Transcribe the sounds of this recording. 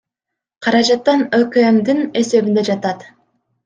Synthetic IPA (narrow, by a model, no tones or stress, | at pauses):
qʰɑɾɑd͡ʒɑt̪ːɑnøkømd̪ine̞se̞βind̪e̞d͡ʒɑt̪ɑt̪